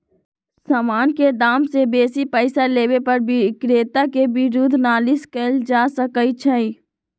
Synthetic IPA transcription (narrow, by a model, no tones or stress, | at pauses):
saːmaːnked̪aːmsebeːsipəɪsaleːwepəɾbʱikɾeːt̪akebɪɾud̪ʱnaːlɪskəld͡ʒaːsəkəit͡ʃʰəi